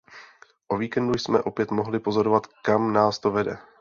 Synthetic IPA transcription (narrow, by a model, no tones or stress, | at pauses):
ʔo̞viːkɛndujsmɛ̰ʔo̞pjɛt̪mo̞ɦlɪpo̞zo̞ɾo̞vat̪kamnaːst̪o̞vɛdɛ̰